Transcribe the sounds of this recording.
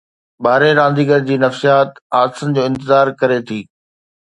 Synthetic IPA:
baːɾeɾãːn̆d̪iːɡəɾd͡ʑiːnɐfsijaːt̪aːdsənɪ̆d͡ʑoːɪ̃nt̪ɪzaːɾkɐɾet̪ʰiː

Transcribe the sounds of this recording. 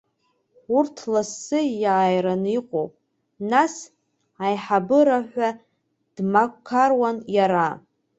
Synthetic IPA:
urtʰlasːɨjaːjɾaniqʷʼowpʼ | nas | ajħabɨɾaħʷᶣa | d̥makʰarwanjaɾa

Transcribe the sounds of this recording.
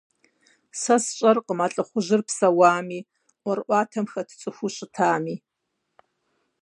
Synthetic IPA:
sɐsɕʼɐrqəmaɬʼɨχʷʊʑɪrpsɐwaːmiː | wɐrʔʷɑːtʰɐmxɐtʰɨ̥t͡sʼɨxʷuɕʼɪtʰaːmiː

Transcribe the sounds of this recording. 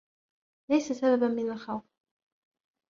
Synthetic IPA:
lajsasababamɪnalxawf

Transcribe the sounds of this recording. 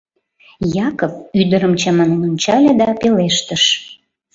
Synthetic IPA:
jɑkəpyd̪əɾəmt͡ɕɑmɑnenonʲt͡ɕɑlʲed̪ɑpeleʃt̪əʃ

